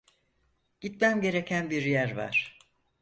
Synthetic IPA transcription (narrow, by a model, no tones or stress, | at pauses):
ɟ̥it̪mæmɟe̞ɾe̞cʰænbiɾjæɾva̰ɾ̥